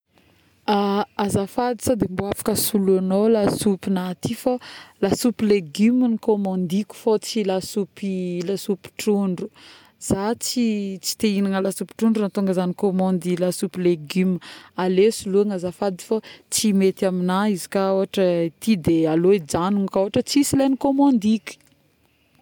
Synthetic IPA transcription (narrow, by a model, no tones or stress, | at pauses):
aazafad̪i̥sad̪emboafḁkəsuluanolasupinat̪ifolasupileɡyminikomɔ̃nd̪ikʲu̥fot͡silasupilasupi̥ʈ͡ʂuɳɖ͡ʐu | z̥at͡sit͡si̥t̪einaŋəlasupi̥ʈ͡ʂuɳɖ͡ʐuant̪uŋɡəzanikomɔ̃nd̪ilasupileɡymalesuluaŋəzafad̪i̥fat͡simet̪aminaizi̥kaoaʈ͡ʂət̪id̪ealoid͡ʒanuŋkoɦaʈ͡ʂət͡sisilanikomɔ̃nd̪ikʲu̥